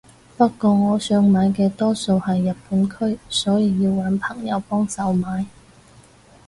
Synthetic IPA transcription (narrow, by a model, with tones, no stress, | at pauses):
pɐ˥tkːɔː˧ŋɔː˨˧sœː˧ŋmaː˨˧jk̬ɛː˧t̪ɔː˥so˨˧whɐ˨jːɐ˨p̚pːuː˨˥nkʰɵ˥ɥsɔː˨˥jiː˨˧jiː˧wwɐ˨˥npʰɐ˨˩ŋjɐ˨˧wpɔː˥ŋsɐ˨wmaː˨˥j